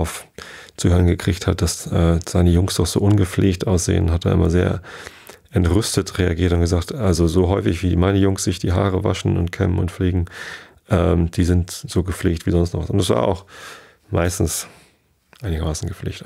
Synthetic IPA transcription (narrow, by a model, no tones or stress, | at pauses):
aʊf | t͡suːhøːʁənɡəkʁ̥ɪçthat̚d̥asʔɛːz̥aɪnəjʊŋsd̥ɔχz̥o̰ːʔʊnɡəp͡fleːçtʔaʊsz̥ḛːənɦat̚d̥a̰ːʔɪmɐ̰zeːɐ | ʔɛntʁʏstətʁeaɡiːɐtʊntɡ̥əzaːktʔalzozoːɦɔʏfɪçv̥iːmaɪnəjʊŋstz̥ɪçd̥iːɦaːʁ̞əva̰ʃn̩ʊ̰ntkʰɛ̰mənʊ̰ntfliːɡŋ̩ | ʔɛːmd̥iːzɪntz̥oːɡəfleːçtv̥iːzɔnstnɔχvasʊntɛsv̥a̰ːɐʔa̰ʊx | mʔa̰ɪstn̩s | ʔaɪnɪɡɐmaːsn̩ɡəflḛːçt